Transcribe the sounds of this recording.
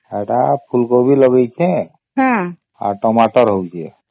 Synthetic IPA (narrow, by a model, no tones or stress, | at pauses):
ɛʈapʰulkobilɔɡejt͡ʃʰɛ̃ | ɦã | a̰ɾʈɔmaʈɔɾɦowt͡ʃʰe